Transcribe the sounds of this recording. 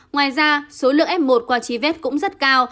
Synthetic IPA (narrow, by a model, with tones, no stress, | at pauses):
ŋwaː˨˩jzaː˧so˨˦lɨ̰˧˨əŋʔɛ˦˥p̚mo˨˩t̚kwaː˧˩t͡ɕi˨˦vɛ˦˥t̚kʊ̰˧˥ŋ͡mzə˦˥t̚kaː˧w